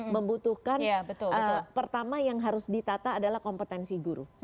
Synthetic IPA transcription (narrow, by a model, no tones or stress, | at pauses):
məmbut̪uhkanjabət̪ʊəpərt̪amajaŋɦaɾʊsdit̪at̪aːdalahkɔmpət̪ɛnsiɡuɾṵ